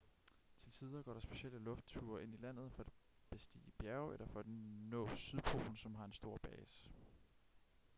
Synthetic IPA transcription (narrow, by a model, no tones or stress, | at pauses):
t͡sʰe̝lsiːð̞ˠɐɡ̥ɒ̰ːɾɑ̈sb̥e̝ɕel̰əlɔ̽fd̥̚t͡sʰuːɐʔe̝n̰ilæn̰ð̞̩ˠfɒ̽æd̥b̥e̝sd̥ḭːəb̥jæɐʊelɐfɒ̽æd̥nɔ̰̽ːsyðˠpʰo̝̰ːln̩sɒ̽mɦɑ̈e̝nsd̥o̝ɐ̰b̥ɛːsə̥